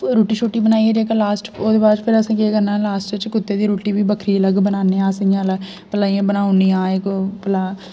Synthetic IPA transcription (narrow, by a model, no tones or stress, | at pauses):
ɾuːʈiːʃoːʈiːbənaːiɛːd͡ʒeːkalaːsʈoːd̪eːbaːd̪pʰɪɾəsãːkeːkəɾnaːlaːsʈɪt͡ʃkʊt̪ːeːd̪iːɾuːʈiːbiːbəkʰɾiːələɡbənaːneːaːsjãːlə | pəlaːiãːbənaːʊniːãːekpəlaː